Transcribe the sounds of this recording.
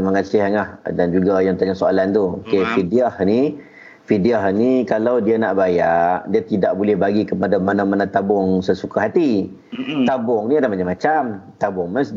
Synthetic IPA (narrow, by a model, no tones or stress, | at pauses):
məŋasɪɦŋahdand͡ʒuɡajaŋt̪aɲasoa̰lant̪uokefidiahni | fidiahnikalawdianaʔbajaʔdiat̪idaʔbulɛhbaɡikəpadamanãmanãt̪abʊŋsəsukaɦat̪i | t̪abʊŋniadamaɲamat͡ʃamt̪abʊŋməs